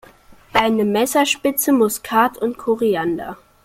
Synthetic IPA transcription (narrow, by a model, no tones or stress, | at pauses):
ʔaɪnəmɛsɐʃpɪt͡səmʊskʰaːtʰʊntkʰoʁianda̰